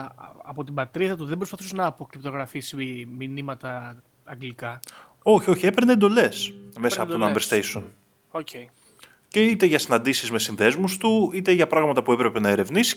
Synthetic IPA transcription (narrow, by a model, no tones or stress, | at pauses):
ɐ̰po̞t̪ibɐt̪ɾiðɐt̪uðe̞bɾo̞spɐθusenɐːpokɾipt̪o̞ɣɾɐfisiminimɐt̪ɐ | ɐŋɡlikɐ | o̞çio̞çie̞peɾneend̪o̞le̞sme̞sɐonɐmb̪eɾst̪ejson | ocej | ce̞it̪e̞ʝɐsinɐnd̪isizme̞sinðe̞zmust̪uit̪e̞ʝɐpɾɐɣmɐt̪ɐpue̞pɾe̞pe̞nɐe̞ɾe̞vnisi̥